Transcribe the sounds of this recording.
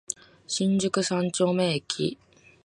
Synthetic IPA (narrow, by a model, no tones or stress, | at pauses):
ɕĩɲd͡ʑɨkɯ̟sãnt͡ɕoːmeːkʰʲḭ